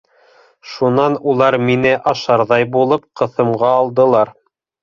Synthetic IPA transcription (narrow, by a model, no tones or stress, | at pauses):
ʃunɑnulˠɑɾminɘʔɑʃɑɾðɑjbulˠɤp̚qɤ̆θɤ̆mʁɑːlˠd̪ɤ̆lˠɑɾ